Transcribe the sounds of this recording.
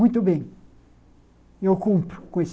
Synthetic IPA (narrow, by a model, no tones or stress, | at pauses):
ũj̃t̪ʊbẽj̃ | ewkũmpɾʊkões